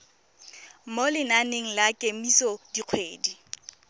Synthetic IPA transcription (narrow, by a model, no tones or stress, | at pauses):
molɪnaneŋ̩lakʼemisɔdiq͡χʰweːdi